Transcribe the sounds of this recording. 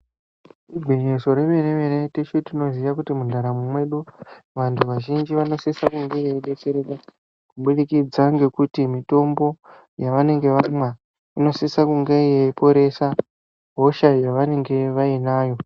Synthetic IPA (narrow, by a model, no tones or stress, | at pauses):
ibʱiɲeso̞ɾemeneʋe̞ɾetet͡ʃetino̞ziʋakutimundʱaɾamwumwe̞ɗuʋantʰuʋaʒind͡ʒiʋano̞sisakuŋɡe̞jejiɗe̞t͡se̞ɾeka | kuɓuɗikid͡zaŋɡe̞kutimito̞mbo̞ | jaʋane̞ŋɡe̞ʋamwa | ino̞sisakuŋɡe̞ijeipo̞ɾe̞sa | ɦo̞ʃajaʋane̞ŋɡe̞ʋainaːjo̞